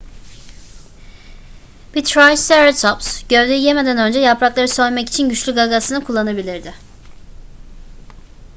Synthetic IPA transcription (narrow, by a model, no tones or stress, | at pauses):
b̥it̪ʰɾajst̪eɾat̪ʰɔpsɟ̥ø̞vd̪ʲeije̞me̞d̪ænø̞nd͡ʒɛjapɾaklˠaɾɯsø̞jʲmɛci̥t͡ʃʰinɟyt͡ʃlʲyɡaɡasɯnɯkʰulˠːanabilʲiɾd̪ɪ